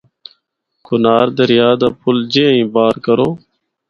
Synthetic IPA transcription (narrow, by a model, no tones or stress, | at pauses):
kʊnaːɾd̪əɾɪjaːd̪aːpʰʊld͡ʒẽːĩːbaːɾkəɾoː